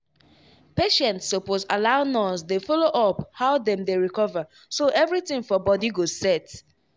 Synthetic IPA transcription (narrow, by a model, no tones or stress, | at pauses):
peʃɛ̃ntsoposalaʊnɔsdefɔloʔɔphaʊdɛ̃mdeɹikɔvə | soʔɛvɹitɪ̃ŋfɔbɔdiɡozsɛt